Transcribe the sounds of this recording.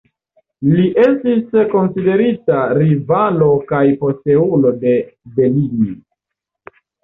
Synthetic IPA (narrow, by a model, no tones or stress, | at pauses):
liʔe̞stisko̞nside̞ɾitaɾivalo̞kajpo̞ste̞ulo̞de̞be̞lini